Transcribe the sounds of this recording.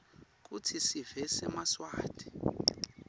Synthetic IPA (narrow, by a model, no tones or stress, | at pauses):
k̬ʼutʰisivɛsɛmaswaːd̥ʰʱʼi̥